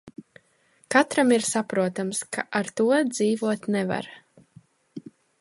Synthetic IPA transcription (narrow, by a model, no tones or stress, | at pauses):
kat̪ɾamiɾsapɾuɔt̪amskʰaʔaɾt̪uɔd̪ziːvuɔt̪nɛva̰ɾ